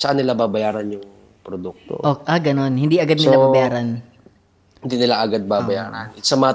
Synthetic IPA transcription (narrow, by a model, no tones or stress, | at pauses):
sɐkanɪlababɐjaːɾɐnjʊŋ | pɾod̪uk̚t̪o̰ʔoʔaɡɐno̞nhɪnd̪iʔɐɡad̪nɪlababɐjaːɾɐn | hɪnd̪inɪlaʔɐɡad̪̚babɐjaːɾɐnsɐmɐŋɐ